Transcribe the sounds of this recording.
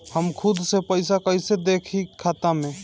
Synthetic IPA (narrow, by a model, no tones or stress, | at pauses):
həmkʰud̪ʱsepəɪsakəɪsed̪ekʰikʰːat̪ame